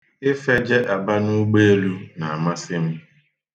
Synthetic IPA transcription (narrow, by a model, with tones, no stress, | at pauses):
ɪ˦fɛ˦d͡ʒɛ˦ʔa˨ba˦nʊ˦ɡ͡be˦e˦lu˦na˨a˨ma˦sɪ˦m̩˦